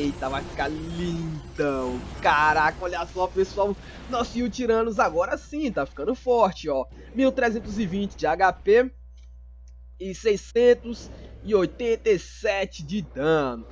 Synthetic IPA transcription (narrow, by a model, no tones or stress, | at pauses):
ejt̪avajfi̥kalĩd̪ɐ̃w̃kaɾakɐoʎasɔpesuaw | nɔsiuwt͡ʃiɾɐ̃mʊzaɡɔɾɐsĩt̪afi̥kɐ̃nd̪ʊfɔɾt͡ʃɪɔ | miwt̪ɾezẽnt̪ʊzɪvĩnt͡ʃɪd͡ʒɪaɡape | ɪsejsẽnt̪ʊz | ɪojt̪ẽt̪ejsɛt͡ʃɪd͡ʒɪd̪ɐ̃nʊ